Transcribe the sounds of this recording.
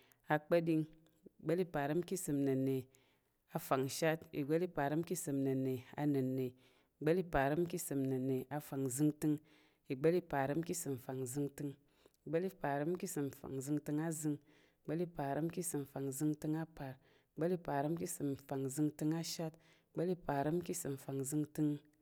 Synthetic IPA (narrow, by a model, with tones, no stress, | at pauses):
a˨k͡pə˦di˧ŋ˨ | ɡ͡bə˦li˦pa˨ɾɨ˦m˦ki˦sɨ˨mnə˨ne˨ | a˨fa˨ŋ˨ʃa˦tḭ˨ɡ͡bə˦li˦pa˨ɾɨ˦m˦ki˦sɨ˨mnə˨ne˨a̰˨nɨ˨nːe˨ | ɡ͡bə˦li˦pa˨ɾɨ˦mki˦sɨ˨mnɨ˨ne˨a˨fa˨ŋ˨zɨ˧ŋtɨ˧ŋ | i˨ɡ͡bə˦li˦pa˨ɾɨ˦m˦ki˦sɨ˨m˨fa˨ŋ˨zɨ˧ŋtɨ˧ŋ | i˨ɡ͡be˦li˦pa˨ɾə˦mki˦sɨ˨mfa̰˨ŋzɨ˧ŋtɨ˧ŋa˦zɨ˧ŋ˨ | ɡ͡be˦li˦pa˨ɾə˦mki˦sɨ˨m˨fa˨ŋzɨ˧ŋtɨ˧ŋa˦pa˨ɾ | ɡ͡be˦li˦pa˨ɾə˦mki˦sɨ˨mfa˨ŋzɨ˧ŋtɨ˧ŋa˦ʃa˦t | ɡ͡be˦li˦pa˨ɾə˦mki˦sɨ˨mfa˨ŋzɨ˧ŋtɨ˧ŋ